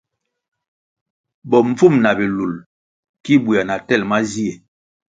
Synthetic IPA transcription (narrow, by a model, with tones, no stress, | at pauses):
bɔ˨ɱ̩˦fu˦˨mna˨bi˨lu˨l | ki˦bu˨a˨na˨tɛ˦˨lma˦zi˦ɛ˨